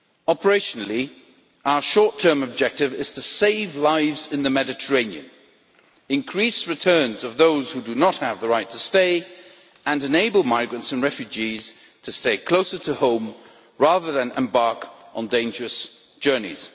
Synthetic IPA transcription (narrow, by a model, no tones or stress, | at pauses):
ɑpə˞eɪʃnl̩ˠi | aʊə˞ʃɔɹtʰɜ̃˞mɨb̚d͡ʒɛk̚tɨvɪz̥tʰɨseɪvlaɪvzɨ̃nðɨmɛɾɨtʰə˞ẽɪ̃niɨ̰̃n | ɨ̃nkʰɹ̥isɹɨtʰɜ̃˞nzʌvðoʊz̥hudɨnət̚hɨvðəɹaɪtʰɨsteɪ | ɨ̃nɨ̃neɪbəl̩ˠmaɪɡɹɨ̃ntsɨ̃nɹɛfjʉd͡ʒiz̥ | tʰɨsteɪkʰl̥oʊsə˞ɾəhõʊ̃m | ɹæðə˞ðɨ̃nʔɨ̰̃mbɑɹkʔn̩dẽɪ̃nd͡ʒə˞ɨs | d̥ʒ̥ɜ˞nḭz̥